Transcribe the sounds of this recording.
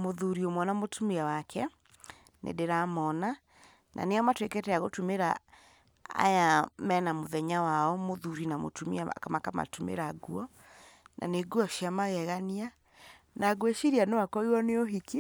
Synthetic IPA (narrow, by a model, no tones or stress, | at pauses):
moðuɾiomwanamotʰumiawakʰɛ | nḛdeɾamɔna | nʔa̰neɔmatwekɛtɛaɣotumeɾa | a̰jamɛnamoðɛɲawaɔmoðuɾinamo̰tumḭaa̰kamakama̰tumḛɾaɡuɔ | nʔa̰neɡuɔʃiamaɣɛɣania | naɣweʃiɾianewakɔiwɔneoɦike